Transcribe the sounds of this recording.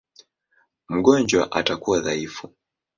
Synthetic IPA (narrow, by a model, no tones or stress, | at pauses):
m̩ɠɔnd͡ʒwa̰ʔa̰takuwaðaifu